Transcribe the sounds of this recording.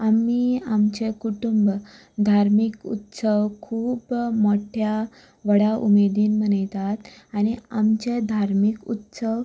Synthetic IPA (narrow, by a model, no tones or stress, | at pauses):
amiːamt͡ɕekuʈumb | d̪ʱaɾmikṵt̪səʋkʰuːbmoʈʰja | ʋəɽaʔṵmed̪iːnmənəjt̪at̪aɽ̃iamt͡ɕed̪ʱaɾmikut̪səʋ